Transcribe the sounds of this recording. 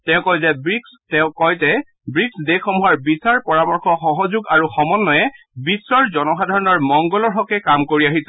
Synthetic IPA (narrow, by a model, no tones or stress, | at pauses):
tɛʊ̃kɔjzɛbɹikstɛʊ̃kɔjtɛ | bɹiksdekʰːɔmuwaɹbisaɹpɔɹamɔɹxɔxɔɦɔzuɡaɹuxɔmɔnːɔjɛ | bisɔɹzɔnɔxadʱɔɹɔnɔɹmɔŋɡɔlɔɹɦɔkɛkamkoɹiaɦisɛ